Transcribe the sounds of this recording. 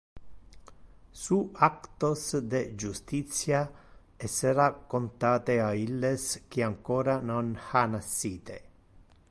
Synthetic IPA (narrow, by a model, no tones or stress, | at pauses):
suakt̪osd̪ed͡ʒust̪it̪sja | eseɾakont̪aːt̪eailːesk̟iaŋkoːɾanonxanasːiːt̪ḛ